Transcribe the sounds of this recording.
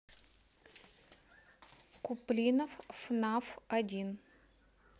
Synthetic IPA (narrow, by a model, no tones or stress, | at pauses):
kʊplʲinəfːnafɐdʲin